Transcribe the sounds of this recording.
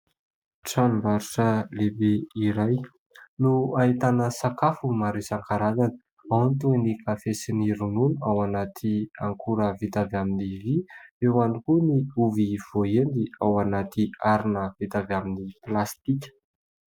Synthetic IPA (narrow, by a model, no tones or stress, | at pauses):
ʈ͡ʂanimvaɾuʈ͡ʂəlebeiɾaj | nuait̪anəsakafumaɾisaŋkaɾazanə̥ | awnt̪unikafesiniɾununawanat̪ʰiaŋkʰuɾəvit̪avaminiviewanikuniuviv̥oend̪iawanat̪iaɾinəv̥it̪avaminiplast̪ikʲə̥